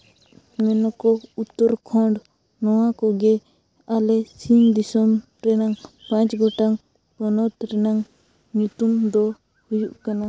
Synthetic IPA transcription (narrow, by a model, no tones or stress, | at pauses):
mɛnɔkɔut̪ːɔɾkʰɔɳɖ | nɔwakɔɡɛ | alɛsind̪isɔm | ɾɛnaŋpãɲt͡ʃɡɔʈaŋ | pɔnɔt̪ɾɛnaŋ | ɲut̪umd̪ɔ | hujuʔkana